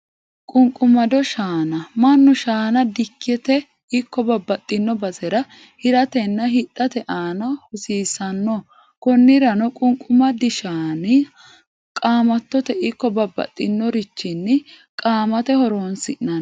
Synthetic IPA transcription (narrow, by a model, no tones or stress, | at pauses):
kʼʊŋkʼʊmɐd̪ɔʃaːnɐmɐnːʊʃaːnɐd̪ɪkːɛt̪ɛ | ɪkːɔbɐbːɐt̪ʼːɪnːɔbɐzɛɾɐ | hɪɾɐt̪ɛnːɐɦɪt̪ʼːɐt̪ɛʔaːnɐhʊsiːsɐnːɔ | kɔnːɪɾɐnɔkʼʊŋkʼʊmɐd̪ɪʃaːnɪ | kʼaːmɐt̪ːɔt̪ɛʔɪkːɔbɐbːɐ̰t̪ʼːɪnːɔɾɪt͡ʃːɪnːɪ | kʼaːmɐt̪ɛhɔɾoːnsɪʔɐn